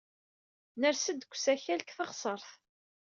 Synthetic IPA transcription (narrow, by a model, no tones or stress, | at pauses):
nəɾsəd̪kʷːsæçælkθəʁsˤəɾˤθ